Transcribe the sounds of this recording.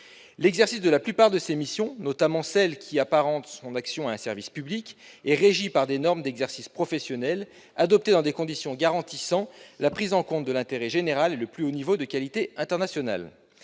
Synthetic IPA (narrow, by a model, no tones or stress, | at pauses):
lɛɡzɛʁsisd̪əlaplypaʁd̪əsemisjɔ̃nɔt̪amɑ̃sɛlkʲʰiapaʁɑ̃t̪sɔ̃naksjɔ̃aɛ̃sɛʁvispyblikʲɛʁeʒipaʁd̪enɔʁmd̪ɛɡzɛʁsispχɔfɛsjɔnɛl | ad̪ɔp̚t̪ed̪ɑ̃d̪ekɔ̃d̪isjɔ̃ɡaʁɑ̃t̪isɑ̃lapχizɑ̃kɔ̃t̪̚d̪əlɛ̃t̪eʁɛʒeneʁaleləplyonivod̪əkalit̪eɛ̃t̪ɛʁnasjɔna̰l